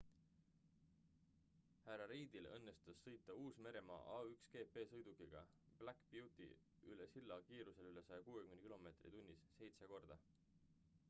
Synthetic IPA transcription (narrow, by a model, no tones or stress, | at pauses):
hæɾɑɾiːd̪̥ilɤnːe̞st̪usːɤjt̪ːˑɑuːsme̞ɾe̞mɑ̰ːʔɑːykske̞ːpe̞ːsɤjd̪̥ukˑiɡ̥ɑ̰ | b̥lækpjuwt̪ˑḭ | yle̞silːɑkiːɾuse̞lyle̞sɑjɑkuːekymenkilo̞me̞ːt̪rḭt̪unʲːisːe̞jt̪seko̞rd̪̥ɑ